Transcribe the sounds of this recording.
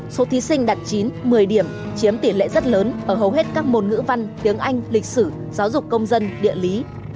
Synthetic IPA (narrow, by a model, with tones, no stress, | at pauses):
so˨˦t̪ʰi˨˦sï˧ŋ̟ɗa˨˩t̚t͡ɕi˨˦nmɨ˨˩əjɗi˧˩əm | t͡ɕi˨˦əmt̪i˧˩lḛ˧˨zə˦˥t̚ləː˨˦nʔəː˧˩ɦə˨˩wɦe˦˥t̚kaː˦˥k̚mo˨˩nŋɨ̰˧˥va˧nt̪i˨˦əŋʔa˧jŋ̟lï˨˩k̟̚sɨ˧˩ | zaː˨˦wzʊ˨˩k͡p̚kə˧wŋ͡mzə˧nɗḭ˧˨əli˨˦